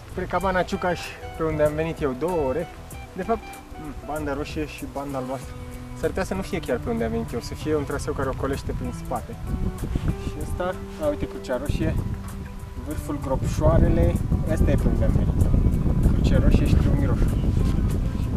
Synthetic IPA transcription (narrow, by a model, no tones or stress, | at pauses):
spɾekabanat͡ʃukaʃʲpe̞und̪eamve̞nit̪je̞wd̪o̞wəoɾe̞ | d̪e̞fap̚t̪ | band̪əɾoʃieʃiband̪aluast̪ɾəsərt̪easkənufijekʲarpe̞und̪eamve̞nit̪jewsəfije̞unt̪ɾasewkaɾeo̞ko̞le̞ʃt̪e̞pɾinspat̪e̞ | ʃiəst̪a | auit̪ekɾut͡ʃaɾoʃije̞ | vɨrfulɡɾo̞pʃoaɾe̞le̞əst̪ajepe̞und̪eamve̞nit̪jewkɾut͡ʃeɾoʃieʃi̥t̪ɾeumiɾo̞ʃ | aʃ